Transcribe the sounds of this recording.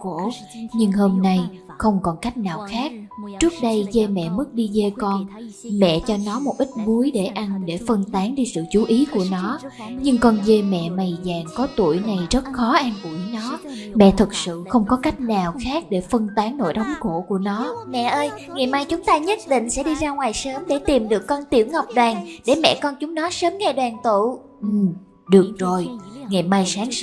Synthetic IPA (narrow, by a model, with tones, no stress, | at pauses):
ko̰˧˩˨ | ɲɨ˧ŋɦo˧mna˧jxə˧wŋ͡mkɔ˨˩nka˦˥jk̟̚naː˨˩wxaː˦˥k̚t͡ɕɨ˦˥ək̚ɗə˧jze˧mɛ̰˧˨mɨ˦˥k̚ɗi˧ze˧kɔ˧nmɛ̰˧˨t͡ɕɔ˧nɔ˨˦mo˨˩p̚ʔï˦˥t̟̚mu˨˦əjɗe˧˩ʔa˧nɗe˧˩fə˧nt̪aː˨˦ŋɗi˧sɨ̰˧˨t͡ɕu˨˦ʔi˨˦ku˧˩ənɔ˨˦ɲɨ˧ŋkɔ˧nze˧mɛ̰˧˨ma˨˩jzaː˨˩ŋkɔ˨˦t̪ṵ˧˩əjna˨˩jzə˦˥t̚xɔ˨˦ʔaː˧nku˧˩˨nɔ˨˦mɛ̰˧˨t̪ʰɨ˨˩k̚sɨ̰˧˨xə˧wŋ͡mkɔ˨˦ka˦˥jk̟̚naː˨˩wxaː˦˥k̚ɗe˧˩fə˧nt̪aː˨˦ŋno̰˧˨jɗɔ˨˦wŋ͡mxo̰˧˩˨ku˧˩ənɔ˨˦mɛ̰˧˨ʔəː˧j | ŋɛ˨˩maː˧jt͡ɕʊ˨˦ŋ͡mt̪aː˧ɲə˦˥t̚ɗḭ˧˨ŋ̟sɛ̰˧˥ɗi˧zaː˧ŋwaː˨˩jsəː˨˦mɗe˧˩t̪i˨˩mɗɨ˨˩əkːɔ˧nt̪i˧˩əwŋa˨˩wk͡p̚ɗwaː˨˩ŋɗe˧˩mɛ̰˧˨kɔ˧nt͡ɕʊ˨˦ŋ͡mnɔ˨˦səː˨˦mŋɛ˧˩ɗwaː˨˩nt̪ṵ˧˨ | ʔ̩˨˩ | ɗɨ˨˩ək̚zo˨˩jŋɛ˨˩ma˧jsaː˨˦ŋ